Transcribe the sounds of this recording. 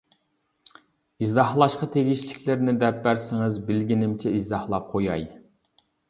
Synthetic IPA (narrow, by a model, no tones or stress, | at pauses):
izɑhlˠɑʃqɑt̪ʰeɡʲiʃlɪkʲʰlɪɾnɪd̪ɛp̚bæɾsɪŋɨzbɪlɡʲinɪmt͡ʃʰɛizɑhlˠɑp̚qʰojɑ̰j